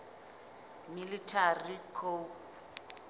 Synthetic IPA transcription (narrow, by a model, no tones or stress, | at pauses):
militʰarikʰo